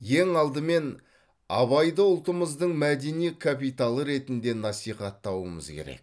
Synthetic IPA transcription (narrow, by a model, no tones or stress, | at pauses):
je̞ŋɑlˠd̪əme̞n | ɑ̰βɑjd̪əʊlˠt̪əməzd̪əɴmæd̪e̞nijkʰapijt̪alˠəɾe̞t̪ɪnd̪e̞nɑsijχɑt̪ːɑwəmə̰zkʲʰe̞̰ɾe̞̰k̚